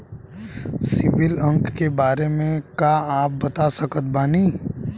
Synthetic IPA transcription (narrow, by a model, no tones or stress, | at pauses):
sɪʋɪlə̃ŋkːebaːɾemẽkaaːp̚bɐt̪asɐkət̪̚baːni